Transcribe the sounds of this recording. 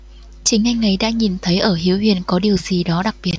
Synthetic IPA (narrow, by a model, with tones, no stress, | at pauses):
t͡ɕï˨˦ŋ̟ʔa˧jŋ̟ʔə˨˦jɗa̰ː˧˥ɲi˨˩nt̪ʰə˨˦jʔəː˧˩ɦi˨˦əwɦwḭ˧˩ənkɔ˨˦ɗi˨˩əwzi˨˩ɗɔ˨˦ɗa˨˩k̚ɓi˨˩ə˩ət̚